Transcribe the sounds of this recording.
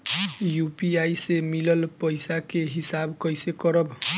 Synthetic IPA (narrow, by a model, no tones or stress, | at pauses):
jupiajsemiləlpəjsakeɦisabkʌjsekɔɾəb